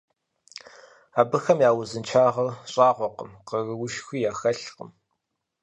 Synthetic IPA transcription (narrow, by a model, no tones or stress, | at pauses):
aːbɨxɐmjaːwʊzɨnt͡ʃʰaːʁɐrɕʼɑːʁʷɔqəmqəɣɨwʊʃxʷiːjaːxɐɬqə̰m